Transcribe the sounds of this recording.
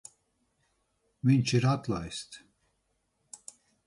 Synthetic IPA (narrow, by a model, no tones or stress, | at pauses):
mint͡ʃʰiɾat̪lajst̪